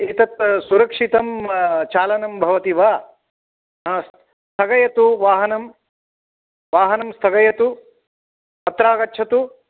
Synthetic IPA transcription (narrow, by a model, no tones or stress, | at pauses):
eːt̪ɐt̪suɾɐkʂit̪ɐmt͡ʃaːlɐnɐmbʱɐʋɐt̪iʋaː | ɦas | st̪ʰɐɡɐjɐt̪uʋaːɦɐnɐm | ʋaːɦɐnɐmst̪ʰɐɡɐjɐt̪u | ɐt̪ɾaːɡɐːt͡ʃʰɐt̪u